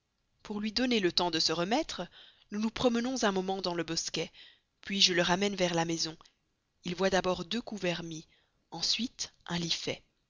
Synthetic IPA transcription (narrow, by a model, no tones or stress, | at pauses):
puʁlɥid̪ɔnelət̪ɑ̃d̪əsəʁəmɛt̪χənunupχɔmənɔ̃zɛ̃mɔmɑ̃d̪ɑ̃ləbɔskʲɛ | pɥiʒələʁamɛnvɛʁlamɛzɔ̃ | ilvwad̪abɔʁd̪økuvɛʁmi | ɑ̃sɥit̪ʔɛ̃lifɛ